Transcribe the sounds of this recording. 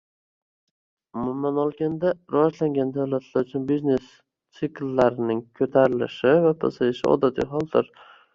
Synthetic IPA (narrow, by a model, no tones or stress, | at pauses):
ʊmʊmanɒlˠɡʲand̪aɾavɒd͡ʒlaŋɡʲand̪awlat̪ʰlaɾʊt͡ʃʰʊnbizne̞s | t̪sɪkʲlːaɾɪnɪŋkʰɵt̪ʰaɾɪlɪ̰ʃɪvapʰasajɪʃɪɒ̰d̪at̪ʰḭjɦɒlˠd̪ɪɾ